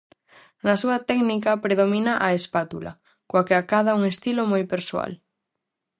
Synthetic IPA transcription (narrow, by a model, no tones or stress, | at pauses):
nasuat̪ɛɡnikapɾeðomĩnaʔaespat̪ula̰ | kwakeakaðauŋest̪ilomojpeɾsoa̰l